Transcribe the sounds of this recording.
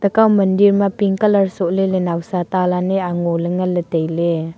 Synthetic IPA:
t̪əkawməndiɾmapiŋkələrsuʔlelenawsat̪alaneaŋoləŋələt̪əjle

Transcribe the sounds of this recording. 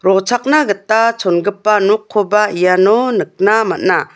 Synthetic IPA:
ɾɔt͡ʃʰak̚naɡɯtːat͡ʃʰɔnɡɯpːanukʰːɔbaijanɔnɯk̚namat̚na

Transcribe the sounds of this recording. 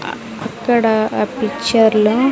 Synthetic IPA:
ɐkːɐɽɐpit͡ʃɐɾlu

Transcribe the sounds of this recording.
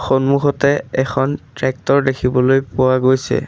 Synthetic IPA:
xonmuxɔtɛɛkʰɔntɹɛk̚tɔɹdekʰibɔlojpʊwaɡojsɛ̰

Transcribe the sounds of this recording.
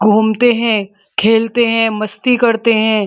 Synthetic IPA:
ɡʱuːmt̪eɦɛ̃ | kʰeːlt̪eɦɛ̃mɐst̪ikɐɾt̪eɦɛ̃ː

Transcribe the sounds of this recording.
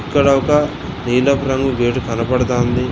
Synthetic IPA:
ikːɐɽɐʋɐkɐ | niːlɐpɾɐŋɡubeːʈukɐnɐpɐɽɐt̪oːnd̪i

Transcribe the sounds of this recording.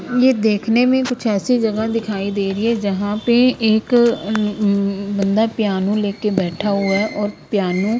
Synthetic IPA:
jeːd̪eːkʰneːmẽːkʊt͡ʃʰɛːsiːd͡ʒəɡaːd̪ɪkʰaːiːd̪eːɾɪɛːd͡ʒəɦãːpeːɪk | bənd̪aːpɪjaːnũːleːkeːbɛːʈʰaːɦʊaːʔɔːɾpjaːnũː

